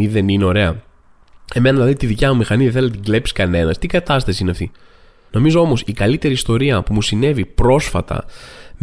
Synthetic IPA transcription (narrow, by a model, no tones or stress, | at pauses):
iðe̞nineo̞ɾe̞ɐ | e̞me̞nɐðilɐðit̪iðicɐmumixɐniðeθelt̪iɡle̞psi̥skɐne̞nɐst̪iɡɐt̪ɐst̪ɐsiineɐft̪i | no̞mizo̞o̞mo̞sikɐlit̪e̞ɾiːst̪o̞ɾiɐpumusine̞vipɾo̞sfɐ̰t̪ɐ̰m